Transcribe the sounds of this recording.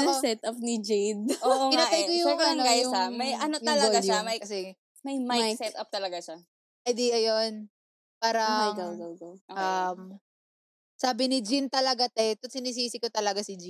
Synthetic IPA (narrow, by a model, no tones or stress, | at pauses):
osɛt̪ɐpnid͡ʒɛjd̪ʔoʔokɪnaːt̪ajkojʊŋɐnoajʊamɐjɐnoɐlɐoɡd͡ʒamɐjkɐsɛ | mɐjmajsɛt̪ɐp̚t̪ɐlɐɡaʃa | ʔɐd̪iʔɐjo̞n | paːɾɐjŋɡɐwɡɐɡɐwʔɐm | saːbɪnɪd͡ʒint̪ɐlɐɡat̪ɛt̪ot̪sɪniːs̬iːsɪkot̪ɐlɐɡasɪd͡ʒɪ